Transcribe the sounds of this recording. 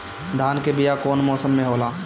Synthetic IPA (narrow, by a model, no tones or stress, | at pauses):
d̪ʱaːnkebɪjakoːnmɔːsəmːẽɦoːlaː